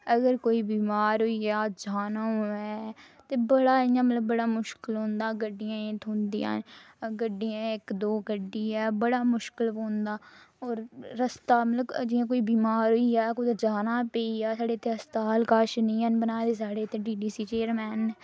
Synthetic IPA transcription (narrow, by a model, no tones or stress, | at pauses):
əɡəɾkoːiːbiːmaːɾɦoːiːaːd͡ʒaːnãɛːt̪eːbəɽaːɪjãːmət̪ləbːəɽaːmʊʃkɪlɦõːnd̪aːɡəɖːɪjãːẽːt̪ʰɦʊ̃nd̪ḭːã̰ːɡəɖːɪjãɪkd̪oːɡəɖiːɛːbəɽaːmʊʃkɪlbõːnd̪aːoːɾːəst̪aːmət̪ləbd͡ʒɪãːkoːiːbiːmaːɾɦoiɛːkoːd̪ad͡ʒaːnaːpeːiaːsaːɖeːt̪ʰːeəst̪aːlkaːʃnĩːənbənaːd̪eːs̬aːɽeːt̪ʰẽɖiːɖiːsiːt͡ʃeːəɾmɛːn